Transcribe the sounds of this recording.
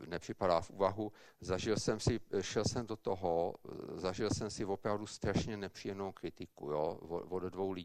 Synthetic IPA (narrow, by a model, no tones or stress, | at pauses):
nɛpr̥ɪpadaːfʔuːvaɦu | zaʒɪlsɛmsɪʃɛlsɛmdot̪oɦozaʒɪlsɛmsɪvo̞pɾavdust̪ɾaʃɲɛnɛpr̝̥ijɛmnowkɾɪt̪ɪkujo̰voddvowli